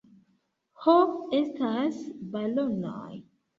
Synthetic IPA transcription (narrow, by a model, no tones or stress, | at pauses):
hopestasbalono̰j